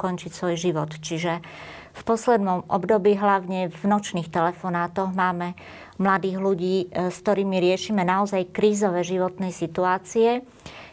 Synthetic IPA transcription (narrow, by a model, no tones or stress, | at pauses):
kɔnt͡ʃicsʋɔjʒiʋɔt̪t͡ʃiʒɛ | fpɔslɛd̪nɔmʔɔ̰bd̪ɔbiːɦlaʊɲɛvnɔt͡ʃniːxt̪ɛlɛfɔnaːt̪ɔɣmaːmɛ | mlad̪iːɣluɟiːskt̪ɔɾiːmiɾɪɛʃiːmɛnaɔzajkɾiːzɔʋɛːʒiʋɔt̪nɛjsit̪uaːt͡siɛ